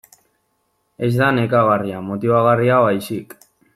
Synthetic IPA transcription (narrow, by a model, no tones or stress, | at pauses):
e̞zd̪ane̞kaɣariamo̞t̪iβaɣariaβajsik